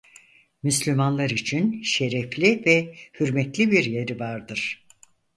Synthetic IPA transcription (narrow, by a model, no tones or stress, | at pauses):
myslʲymanlˠaɾit͡ʃʰinʃe̞ɾɛflʲivɛhyɾmɛt̪lʲibiɾje̞ɾivaɾd̪ɯɾ̥